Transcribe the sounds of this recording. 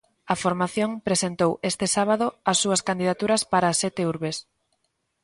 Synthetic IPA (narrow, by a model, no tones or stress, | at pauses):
ɐfoɾmaθjoŋpɾesent̪owest̪ɪsaβ̞aðʊɐsːuɐskand̪iðat̪uɾɐspaɾasɛt̪euɾβes